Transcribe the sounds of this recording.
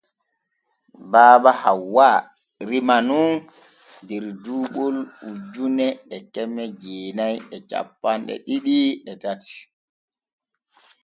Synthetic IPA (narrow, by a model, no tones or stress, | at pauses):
baːbahawwa | ɾimanun | dɛɾduːɓɔlud͡ʒunɛɛkɛmɛd͡ʒeːnajɛt͡ʃa̰pːanɗɛ̰ɗiɗiɛtati̥